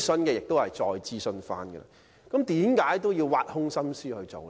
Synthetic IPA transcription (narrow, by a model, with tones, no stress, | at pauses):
sɵ˥nkɛː˧jɪ˨k̚t̪o˥hɐ˨˩jt͡sɔː˧jt͡siː˥sɵ˧nfa̰ː˧˥nɡə̰˧lɐ̰ | kɐ˨˥mt̪iː˨˥mkaː˨˥jt̪̬o˥wjiː˧wwaː˧t̚hʊ˥ŋsɐ˥msyː˥hɵ˧ɥt͡so˨w